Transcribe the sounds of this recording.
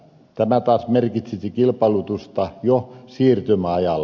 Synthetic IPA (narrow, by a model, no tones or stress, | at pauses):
t̪æmæt̪ɑːsmerkit̪sisikilpɑilut̪ust̪ɑjosiːrt̪ymæɑjɑl